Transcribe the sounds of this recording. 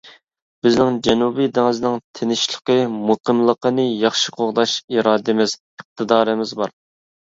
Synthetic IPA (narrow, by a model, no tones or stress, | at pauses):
bɪznɪŋd͡ʒɛnubijd̪ɪŋɨznɪŋt̪ʰenɪʃlˠə̥qəmoqʰəmlˠəqənɨjɑχʃɪqʰoʁd̪ɑʃiɾɑːd̪ɪmɪz | əq̚t̪ʰɨd̪ɑːɾɨmɪzbɑɾ